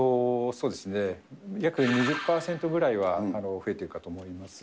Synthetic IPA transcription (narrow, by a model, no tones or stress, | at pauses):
osoːd̪e̞sɨne̞jakɯ̟ɲ̟iʑɨpːaːsẽ̞nt̪o̞ɡɯ̟ɾaiβaːno̞ɸɯ̟e̞t̪e̞ɾɯ̟kat̪o̞ːmo̞imasɨ̥